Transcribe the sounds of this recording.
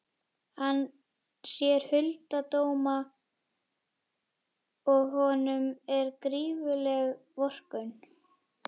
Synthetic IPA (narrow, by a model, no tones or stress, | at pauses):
han | sjɛɾ̥hʏlt̪at̪oːwma | ɔɣɦɔːnʏmɛɾkɾiːvʏlɛɣvɔr̥kʏn